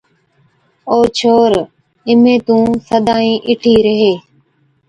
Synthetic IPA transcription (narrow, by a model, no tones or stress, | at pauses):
oːt͡ʃʰoːɾ | ɪmẽːt̪ũːsəd̪aːĩːʔɪʈʰiːɾəɦeː